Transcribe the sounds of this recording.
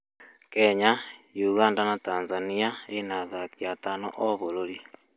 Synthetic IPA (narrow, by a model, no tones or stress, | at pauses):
keɲajuɣaːndanataːnzaniaeinaðakjatano̰ʔoβololi